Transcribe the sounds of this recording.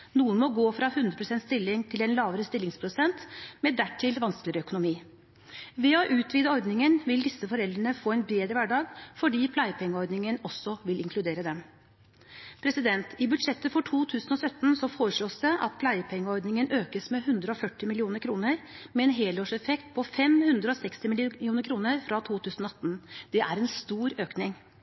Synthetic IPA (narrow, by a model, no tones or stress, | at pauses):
nuːənmɔɡoːfɾɑhʉnd̪ɾəpʰɾʊsɛnt̪st̪ɪlːɪŋt̪ʰɪlɛnlɑːʋəɾəst̪ɪlːɪŋspʰɾʊsɛnt̪mɛd̪æʈʰːɪlʋɑnsklɪəɾəœkʊnʊmiː | ʋɛɔʔʉːt̪ʰʋiːd̪əɔɾd̪nɪŋənʋɪld̪ɪsːəfɔɾɛld̪ɾəɳəfoːɛɪnbɾeːd̪ɾəʋæɖɑːɡfɔɖiːpʰlæjəpʰɛŋːəɔɾd̪nɪŋənɔsːɔʋɪlɪŋkʰlʉd̪eːɾəd̪ɛm | pʰɾɛsɪd̪ɛnt̪ɪbʉd̪ʂɛt̪ːəfɔʈʰuːt̪ʰʉːsənɔsœt̪ːnsɔfoːɾəʂloːsd̪ɛʔɑ̰t̪̚pʰlæɪəpʰɛŋːəɔɾd̪nɪŋənʔøːkəsmɛhʉnd̪ɾəɔfœʈːɪmɪlɪuːnəɾkʰɾuːnəɾmɛɛːnɦeːloːʂɛfɛkt̪̚pʰɔfɛmhʉnd̪ɾəɔsɛkst̪ɪmɪluːnəɾkʰɾuːnəɾfɾɑt̪ʰuːt̪ʰʉːsn̩ɔɑt̪ːnd̪̥ɛʔæɾɛnst̪uːɾøːknɪŋ